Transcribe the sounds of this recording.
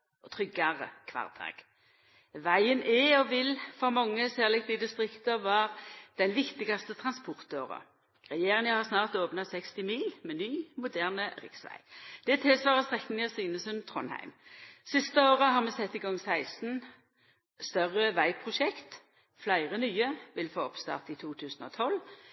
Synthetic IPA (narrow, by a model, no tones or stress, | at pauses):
ɔt̪ʰʁʏɡɑʁə̰kʰʋɑ̰ʁd̪ɑ̰ːɡ̥ | ʋæɪənɛɔʋɪlfɔʁmɑŋːəsæːʁlɛk̚t̪d̪ɪd̪ɪst̪ʁɪkt̪əʋɑʁd̪̥ɛnʋɪkt̪ɪɡɑst̪ət̪ʰʁɑnspɔʁt̪oːʁə̰ | ʁɛjeːʁɪŋəhɑʁsnɑːʁt̪oːpnɑsɛkst̪ɪmiːlmɛnyːmʊd̪æʁnəʁɪ̰ksʋæ̰ɪd̪̥ɛt̪ʰɪlsʋɑːʁəst̪ʁɛkːn̩jɑsiːnəsʉnt̪ʰʁɔ̰nhæ̰ɪmsɪst̪əoːʁəɦɑʁmɛːsɛt̪ːiːɡɔŋːsæɪsn̩ | st̪œʁəʋæɪpʰʁʊʃɛkt̪ | flæɪʁənyːəʋɪlfoːɔpst̪ɑ̰ːʁt̪it̪ʰuːt̪ʰʉːsn̩ɔ̰ːt̪ʰɔl